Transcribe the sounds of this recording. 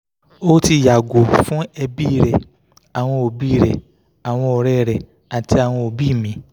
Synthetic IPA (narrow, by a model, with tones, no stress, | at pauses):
o˦ti˧˨ja˨ɡo˨fũ˦ɛ˧bi˦˨ɾɛ˨ | a˨w̃ɔ̃˧o˨bi˦˨ɾɛ˨ | a˨w̃ɔ̃˧ɔ˧ɾɛ˦ɾɛ˨ | a˨ti˧a˨w̃ɔ̃˧o˧bi˦˨mĩ˧˦